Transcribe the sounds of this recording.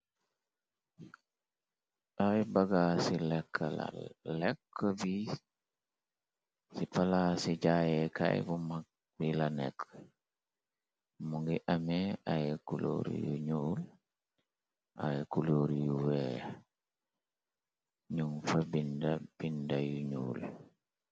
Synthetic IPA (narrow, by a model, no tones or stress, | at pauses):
ʔajbaɡasilɛkʰːala̰lɛkːəbi | sipalasid͡ʒajɛka̰jbuma | bilanɛ̰kː | muŋɡiʔamɛʔajɛkulo̰ɾḭjṵɲuːl | ʔa̰jkuloːɾijuwɛ | ɲuŋfabindab̥indajuɲṵːl